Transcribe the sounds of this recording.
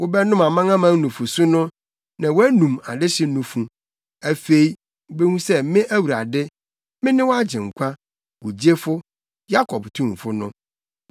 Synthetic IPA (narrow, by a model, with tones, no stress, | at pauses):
wʊ˦bɛ˦nʊ̃˦mã˨mã˦ŋã˦mã˦ŋ˦nũ˨fʊ˨su˦nʊ̃˦ | nã˨wɔ˦æ˦nũ˨ma̰˨dɪ˦ɕɪ˦nũ˨fũ˨ | æ˨fe˦i˦˨ | be˦hũ˦sɛ˦mɪ̃˦ʔæ˦wu˨ɾa˨dɪ˦ | mɪ̃˦nɪ̃˦wɔ˦a˦d͡ʑɪ̃˨ŋ̩˨kʷʰa˦ | wu˨d͡ʑe˦fʊ˦ | ja˦kʰɔ˨btʰũ˦m˨fʊ˦nʊ̰̃˦